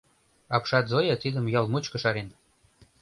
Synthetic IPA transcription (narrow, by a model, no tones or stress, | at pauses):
ɑpʃɑt̪zojɑt̪id̪ə̆mjɑlmut͡ɕkɤ̆ʃɑɾen